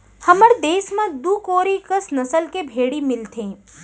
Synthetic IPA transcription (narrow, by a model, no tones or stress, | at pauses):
həməɾd̪eːsmãd̪uːkoːɾikəsnɐsəlkebʱeːɽimɪlt̪ʰẽː